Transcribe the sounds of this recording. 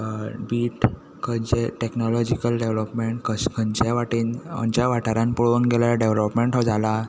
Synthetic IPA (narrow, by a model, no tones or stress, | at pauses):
biːʈ | kʰəɲt͡ɕeʈeknɔlɔd͡ʑikəlɖeʋlɔpmeɳʈkəskʰəɲt͡ɕaʋaʈiːnə̰ɲt͡ɕaʋaʈaɾãnpuɭuːnɡelaaɖeʋlɔpmeɳʈɦɔd͡zala